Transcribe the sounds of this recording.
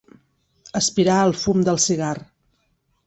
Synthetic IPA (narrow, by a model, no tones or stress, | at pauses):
əspiɾaəlˠfumd̪əlˠsiɣar